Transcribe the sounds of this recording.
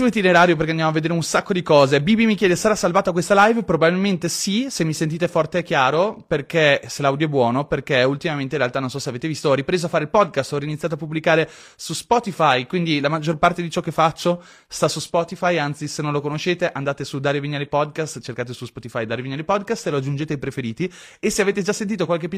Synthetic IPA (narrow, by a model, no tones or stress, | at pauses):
suit̪ineɾaːɾjop̬erkeandjamavːed̪eːɾeunsakːod̪ikɔːzebibimikjɛːd̪esaɾasalvaːt̪oak̬west̪alajvpɾobabilment̪esisemːisent̪iːt̪efɔrt̪eɛkːjaːɾoperkeselawd̪joɛbwɔːnoperkeult̪imament̪eĩrealt̪anõnsɔseaveːt̪evist̪oɔripɾeːzoafaːɾeilpɔd̪̚kast̪ɔɾiːnit̪sjaːt̪oapːubːlikaːɾe | suspɔt̪ifajkwind̪ilamad͡ʒːorpart̪ed̪it͡ʃɔkːefːat͡ʃːo | st̪asuspɔt̪ifajant̪sisenõnlokonoʃːeːt̪eʔand̪aːt̪esud̪aːɾeviɲːalepɔd̪kast̪t͡ʃerkaːt̪̬esuspɔt̪ifajd̪aːɾeviɲːalepɔd̪kast̪eload͡ʒːund͡ʒet̪eajpɾefeɾiːt̪i | eseaveːt̪ed͡ʒasːent̪iːt̪okwalk̬epːi